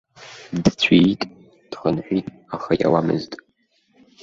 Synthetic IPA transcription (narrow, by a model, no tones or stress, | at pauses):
dt͡ɕʷʰitʼ | d̥χənħʷᶣitʼ | aχaja̰wamɨztʼ